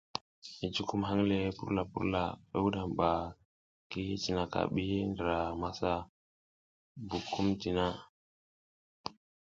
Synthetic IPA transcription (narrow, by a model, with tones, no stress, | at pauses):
i˨t͡ʃu˦ku˦mɦa˦ŋle˨˦pṵ˦ɾla˨pṵ˦ɾla̰˨e˦wu˦ɗa˨mɓa˨ | ki˦t͡ʃi˦˨na˨ka̰˨ɓi˦ndə˨ɾa˨ma˦sa˦ | bu˨kʰːu˦mti˨na˦